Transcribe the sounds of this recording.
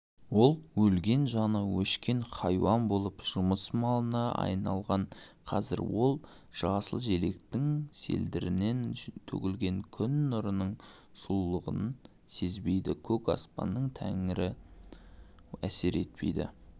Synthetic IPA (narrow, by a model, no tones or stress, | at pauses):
wo̞lˠwɵlɡʲe̞nʒɑnəwɵʃkʲe̞ɴχɑjwɑmbo̞lˠəpʒ̥ʊməsmɑlˠənɑɑ̰jnɑlˠʁɑɴqʰɑzɪ̰ɾwo̞lˠ | ʒ̥ɑʁɑsəlˠʒele̞kt̪ɪŋse̞̰ld̪ɪɾɪne̞nt̪ʰɵ̰kʲɪlɡʲe̞ŋkʲʰʏnːʊɾənəɴ | sulˠlˠəʁə̰nən | se̞zbe̞jd̪ɪkʲʰɵkɑ̰spɑ̰nːəɴt̪ʰæ̰ŋɪɾɪ | æse̞ɾe̞t̪̚pʰe̞̰jd̪ɪ̰